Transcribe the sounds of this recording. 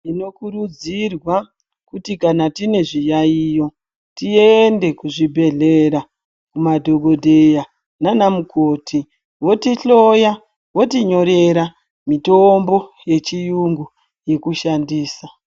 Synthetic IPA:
ino̞kurud͡zirwa | kutikanatine̞ʐijaijo̞ | tiende̞kuʐibʱe̞ɮeɾa | kumadʱo̞ɡʱo̞dʱeja | nanamukʰoːtʰi | wo̞tiɬo̞ja | wo̞tiɲo̞ɾe̞ɾa | mitombo̞je̞t͡ʃijuŋɡu | je̞kuʃandiːsa

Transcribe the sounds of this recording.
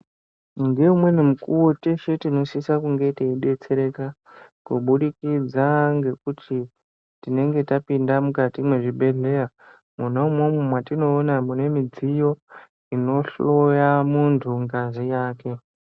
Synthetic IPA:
ŋɡe̞umwe̞nemukuwo̞teʃetino̞sisakuŋɡe̞iteiɗe̞t͡se̞ɾe̞ka | kuɓuɗikid͡zaŋɡe̞kutʰi | tine̞ŋɡe̞tapindamukatimwe̞ʐibʱe̞ɮe̞ɾa | munaumwomumwatino̞ːnamune̞mid͡zijo̞ | ino̞ɬo̞jamuntʰuŋɡazijaːke̞

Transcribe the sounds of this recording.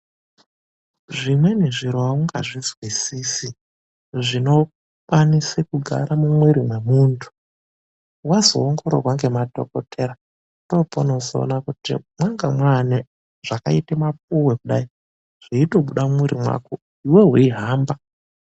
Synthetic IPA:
ʐimwe̞neʐiɾoauŋɡa̰ʐizwisiːsi | ʐino̞ | kwanisekuɡʱa̰ɾamumweɾimwemuːntʰu̥ | wazoːŋɡoɾo̰rwaŋɡe̞mato̞̰kotʰeɾa | topono̞zo̰ːnakutḭmwaŋɡamwane | ʐ̥akaitemap̚uwekuɗai | ʐ̥iito̞ɓuɗamumweɾimwa̰ko | iweɦuiɦaːmba

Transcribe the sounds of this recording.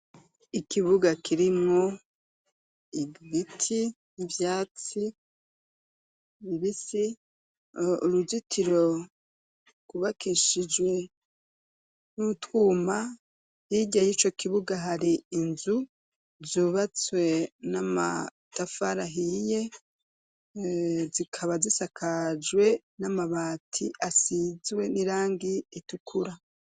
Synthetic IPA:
ikiβuɡakʰiɾimŋo | iɡitʰi | ivjaːt͡si | βiβisi | uɾuzitʰiɾo | kuβakʰiʃid͡ʒwe̞ | nutwuːma | hiɟajit͡ʃo̞kʰiβuɡaɦaɾiːnzu | zuβat͡swe̞nama̰tafaɾaɦije̞ | zikʰaβazisakʰad͡ʒwe̞ | namaβaːtʰiʔasizwe̞niɾaːŋɡiːtukʰuɾa

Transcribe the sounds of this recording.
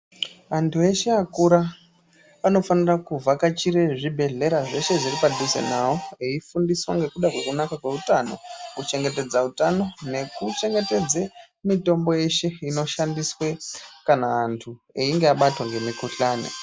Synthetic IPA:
antʰue̞ʃeakuɾa | ano̞fanirakuvakat͡ʃiɾe̞ʐibʱe̞ɮe̞ɾaʐe̞ʃe̞ʐiripadʱusḛnawo̞eifundiswaŋɡe̞kuɗakwe̞kunakakwe̞utano̞̰kut͡ʃe̞ŋɡe̞te̞d͡zautano̞ne̞kut͡ʃe̞ŋɡe̞te̞d͡ze | mito̞mbo̞je̞ʃe̞ino̞ʃandiswe̞kanaːntʰueiŋɡeaɓatwaŋɡe̞mikuɬaːnḛ

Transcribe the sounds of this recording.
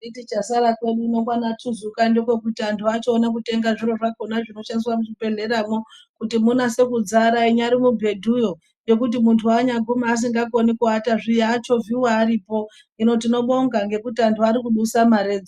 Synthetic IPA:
itit͡ʃasaɾakweɗuinokwanatʰuzukandokwe̞k̬utiantʰuat͡ʃoːnak̬ute̞ŋɡaʐiɾo̞ʐakonaʐino̞ʃandiswamuʐipe̞ɮe̞ɾamo | kutimunase̞kud͡zaɾaiɲaɾimubʱe̞dʱujo̞ | jo̞kut̬imuntʰuaɲaɡʱumaːs̬iŋɡak̬onikuataʐijːt͡ʃo̞viwaːɾiːpo̞ | ino̞tino̞ɓo̞ŋɡaŋɡe̞kutiantʰuaɾikuɗusamaɾe̞ːd͡zo

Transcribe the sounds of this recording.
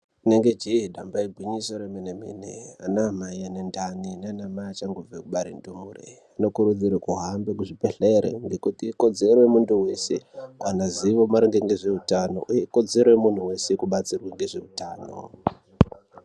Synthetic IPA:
neŋɡe̞d͡ʒiɦiɗambaiɡʱwiɲiso̞ɾemenemḭnḛa̰naːmaianendanineanamaiat͡ʃaŋɡuvekuɓaɾindumurḛ | ano̞kuɾud͡zirekuɦambekuʐipeɬeɾḛŋɡe̞kutiːko̞d͡ze̞ɾojemunduwe̞sḛkwanaziʋo̞maɾiŋɡeŋɡe̞ʐe̞utano̞̰ʔujeiko̞d͡ze̞ɾojemun̤uwe̞sekuɓat͡sirwaŋɡe̞ʐe̞utaːno̞̰

